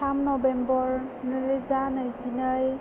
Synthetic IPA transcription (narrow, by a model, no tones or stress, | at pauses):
amnɔbembɔɾnɯɾizanɯjzinəj